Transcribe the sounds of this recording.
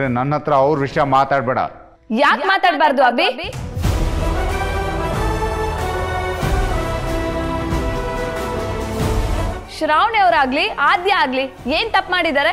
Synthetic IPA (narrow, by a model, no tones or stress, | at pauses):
ɾenɐnɦɐt̪ɾɐːʋɾʋiʂɐjɐmaːt̪aːɖbɛːɽɐ̰ | jaːkmaːt̪aːɽbaːɾd̪uɐbi | ʃɾaːʋɳeɐʋɾaːɡliaːd̪jɐaːɡlieːnt̪ɐpːmaːɽid̪aːɾe